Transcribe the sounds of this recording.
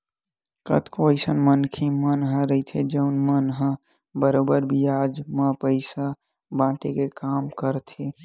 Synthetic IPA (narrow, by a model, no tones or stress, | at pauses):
kə̰t̪koəjsənmənkʰimənɦə̃ɾəit̪ʰed͡ʒəʊnmənɦə̃ | bəɾobəɾbʱiad͡ʒmə̃pəɪsa | bãʈekekamkəɾt̪ʰi